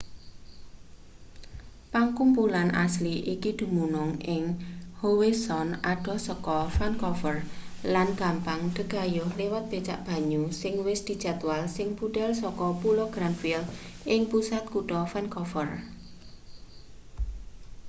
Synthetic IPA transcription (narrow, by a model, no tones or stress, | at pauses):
paŋkumpulanʔa̰sliʔikid̪̥ṳmunʊŋʔɪŋhowesɔnaɖ̥ɔ̤sɔkɔfɛnkɔfərlanɡ̥a̤mpaŋɖ̪̥ə̤ɡ̥a̤jʊhlewat̪̚b̥e̤t͡ʃa̰ʔb̥a̤ɲusɪŋwɪsd̪̥i̤̥d͡ʒ̥a̤t̪walsɪŋpuɖ̥ɛ̤lsɔkɔpuloɡ̥ɾamfil | ʔɪŋpusat̪̚kuʈɔfɛnkɔfər